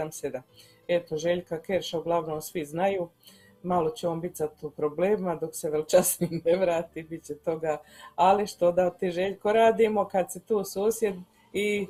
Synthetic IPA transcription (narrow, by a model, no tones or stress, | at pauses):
amsed̪a | e̞t̪o̞ʒeʎkakeɾʃauɡlˠaʋnomsʋiznajuː | malo̞t͡ɕeoːnbit̪zat̪upɾobleːmimad̪o̞kseʋrlt͡ʃasnimneʋɾaːt̪ibit̪t͡ɕet̪o̞ɡaːaliʃt̪od̪at̪iʒeʎkoɾaːd̪iːmo̞kad̪set̪uːsuːsje̞d̪ | i